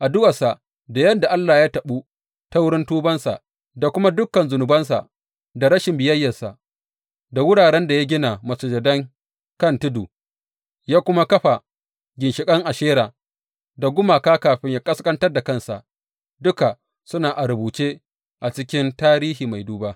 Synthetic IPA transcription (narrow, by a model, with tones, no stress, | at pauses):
ʔa˨dʊ˦wɐ˨sa˨ | da˨jɐ˦nda˨ʔa˦lːaː˨jaː˦tɐ˨ɓuː˦ | ta˦wʊ˦ɽɪ˦ntuː˦bɐ˦nsa̰˨ʔ | da˨kʷʊ˦ma˦dʊ˦kːɐ˨nzʊ˨nʊ˨bɐ˦nsa̰˨ | da˨ɾɐ˦ʃɪ˨mbɪ˨jɐ˦jːɐ˨sa˨ | da˨wʊ˦ɽaː˨ɽɛ˦nda˨ja˦ɡʲɪ˦na˨mɐ˨suː˨d͡ʒɐ˨dɐ˦ŋ | kɐ˦˨ntʊ˦duː˨ | jaː˦kʷʊ˦ma˦kɐ˦ɸa˨ | ɡʲɪ˨nʃɪ˨kʼɐ˦ŋʔa˨ʃeː˦ɾaː˨ | da˨ɡʷʊ˦maː˨kaː˦kaː˨ɸɪ˦ɲjaː˦kʼɐ˦skʼɐ˦ntɐ˦rda˨kɐ˦nsa̰˨ʔ | dʊ˦ka˨ | sʊ˦naː˨ʔa˨ɾʊ˨buː˨t͡ʃe˦ | ʔa˨t͡ʃɪ˦kʲɪ˦ntaː˦ɾiː˦ɦiː˨ma˨jduː˦baː˦